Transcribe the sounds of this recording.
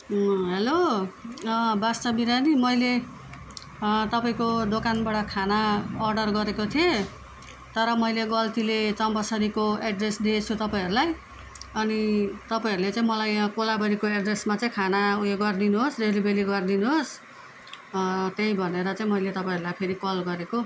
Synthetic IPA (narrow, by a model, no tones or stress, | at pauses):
ɦelo | bast̪ʌbiɾanimʌjle | t̪ʌpaĩkod̪okanbaɽʌkʰanaːrɖʌrɡʌɾekot̪ʰije | t̪ʌɾʌmʌjleɡʌlt̪ilet͡sʌmpʌsʌɾikoeɖresd̪iet͡sʰut̪ʌpaĩʌɾulaj | ʌnit̪ʌpaĩʌɾulet͡sãĩmʌlajkolabʌɾikoeɖresmat͡saĩkʰanaueɡʌrd̪inuɦosdeɾibeliɡʌrd̪inuɦos | t̪eibʱʌneɾʌt͡saĩmʌjlet̪ʌpaĩʌɾulajpʰeɾikʌlɡʌɾeko